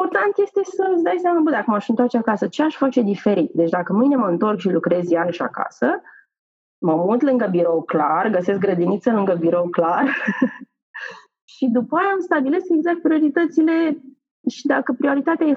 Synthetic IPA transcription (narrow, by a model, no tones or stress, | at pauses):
ort̪ant̪je̞st̪e̞səsd̪ajsamabəd̪akəməaʃɨnt̪oart͡ʃeakasət͡ʃeaʃfat͡ʃe̞d̪ife̞ɾit̪̚d̪et͡ʃd̪akəmɨne̞məɨnt̪o̞rkʃilukɾe̞zjaɾəʃʲa̰ka̰sə | məmut̪lɨŋɡəbiɾo̞wklarɡəse̞sk̚ɡɾəd̪init̪səlɨŋɡəbiɾo̞wklar | ʃid̪upəajaːmst̪abileskeɡzak̚t̪̚pɾio̞ɾit̪ət̪sile̞ | ʃid̪akəpɾio̞ɾit̪at̪eaje